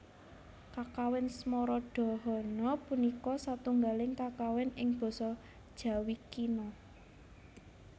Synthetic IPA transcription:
kakawɪnsmɔɾɔɖ̥ɔ̤ɦɔnɔpunikɔsat̪uŋɡalɪŋkakawɪnɪŋb̥ɔ̤sɔ | d̥ʒ̥ä̤wikinɔ

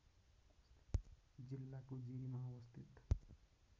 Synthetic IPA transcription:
d͡zilːakod͡ʒiɾimãwʌst̪ʰit̪

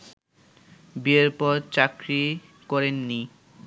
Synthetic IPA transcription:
bieɾpɔɾt͡ɕakɾi | kɔɾenːi

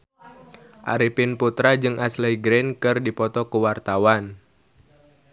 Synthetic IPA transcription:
ʔa̰ɾipɪnput̪ɾad͡ʒɨŋʔaslɛjɡɾɛnkɨrdipɔt̪ɔkəwart̪awan

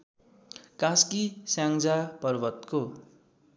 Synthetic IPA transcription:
kaskisjãŋd͡zapʌrbʌt̪ko

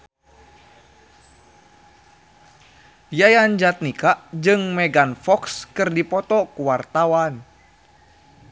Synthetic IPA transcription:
jajand͡ʒat̪̚nikaʔd͡ʒɨŋmɛɡanfɔkskɨrdipɔt̪ɔkuwart̪awan

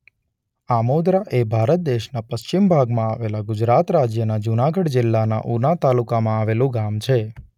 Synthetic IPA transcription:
amod̪ɾaʔebʱaɾət̪̚d̪eʃnapəʃt͡ʃimbʱaɡmãaʋelaɡʊd͡ʒɾat̪ɾad͡ʒjənad͡ʒunaɡəɽd͡ʒɪlːana̰ʔunat̪alukamãaʋelũɡamt͡ʃʰe

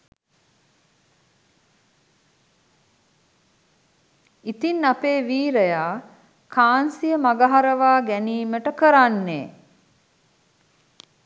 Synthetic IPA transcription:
it̪inːapeːʋiːɾəjaː | kʰaːnsijəmaɡaɦaɾəʋaːɡæniːməʈəkəɾanːḛː

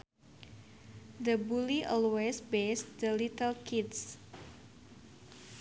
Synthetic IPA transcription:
d̪əbuliʔɔlwesbesd̪əlit̪əlkʰits

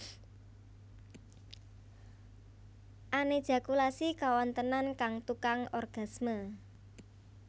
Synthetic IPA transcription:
ʔaned̥ʒ̥a̤kulasikawɔnt̪ənankaŋt̪ukaŋɔrɡ̥a̤smə

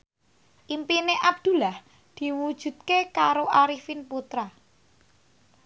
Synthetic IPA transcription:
ʔimpineʔab̚d̪̥ṳlah | d̪̥i̤wud̥ʒ̥ṳt̪̚kekaɾoʔaɾifɪnput̪ɾa

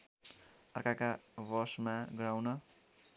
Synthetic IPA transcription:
aɾkakaβɔsmaɡɾawna

